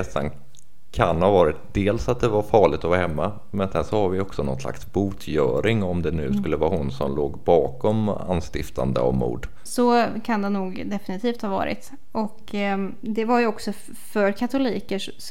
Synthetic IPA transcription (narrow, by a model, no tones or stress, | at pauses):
ɛsa̰n | kʰanhaːvɑːɾɪt̪̚d̪eːlsat̪̚d̪ɛvaɾfɑːɭɪɡt̪ɔvɑːhɛmːa | mɛnsɛnʂɔhaɾvɪɔksɔnɔ̰nsla̰ksbuːt̪ʰjœːɾɪŋɔmd̪ɛnʉ̟ːskɵlːəvɑːhʊnsɔmloːɡbɑːkɔma̰nst̪ɪft̪ʰa̰nd̪ə̰a̰vmṵːɖ̪ | sɔkʰand̪ɛnuːɡd̪ɛfɪnɪt̪ʰiːft̪hɑːvɑ̰ːɾɪ̰t̪ | ʔɔk | d̪ɛvaɾjɵɔksɔ | fœɾkʰat̪ʊliːkəʂ